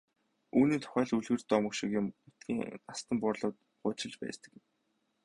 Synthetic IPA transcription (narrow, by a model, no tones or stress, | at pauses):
uːniːnt̪ʰʊ̥χæːɮuɮɣɘ̆r̥t̪ɔmə̆kʃɪkjɪ̆mput̪ɡʲiːŋast̪ə̆mpʊrɮʊːt̪̚ | ɢʊːt͡ɕɪ̆ɮt͡ɕpæ̰ːst̪ə̆k